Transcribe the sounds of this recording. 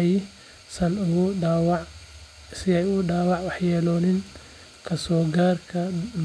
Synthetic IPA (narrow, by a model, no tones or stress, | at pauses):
j | sɐnʊɣʊːwɑʕ | sɪɛjʊɖaːwɑʕwɑħjɛːlɔːnɪn | kʰɐsɔːɡaːrkʰɐm